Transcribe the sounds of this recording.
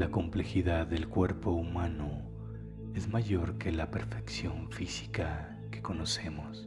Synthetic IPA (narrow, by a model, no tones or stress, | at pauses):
lako̞mple̞xiðaðːe̞lkwe̞ɾpo̞umãno | e̞zmaʝo̞ɾke̞lape̞ɾfe̞ksjo̞ɱfisi̥ka | ke̞̥ko̞no̞se̞mos